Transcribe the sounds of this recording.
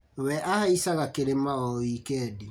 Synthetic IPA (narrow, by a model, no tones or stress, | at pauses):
wɛʔahaisaɣakeɾemaɔikɛdi